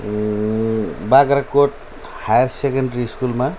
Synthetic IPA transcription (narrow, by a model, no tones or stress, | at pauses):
baɡɾakoʈ̚ | hajaɾsekaɳɖɾiskulma